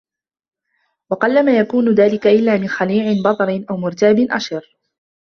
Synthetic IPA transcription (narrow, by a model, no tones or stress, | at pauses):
wɑqɑlːamaːjakuːnʊðaːlɪkaʔɪlːaːmɪnxaliːʕɪnbɑt̪ˤɑɾɪnʔawmʊɾt̪aːbɪnʔa̰ʃɑɾ